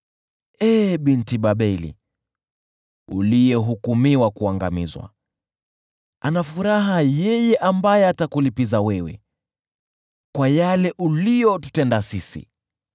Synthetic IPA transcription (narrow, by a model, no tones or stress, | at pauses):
ɛːɓintiɓaɓɛlḭ | ṵlijɛɦukumiwakuaŋɡa̰mizwa̰ | anafuɾaɦajɛjɛʔambajɛatakulipizawɛwɛ̰ | kwajalɛʔulijɔtu̥tɛndasisḭ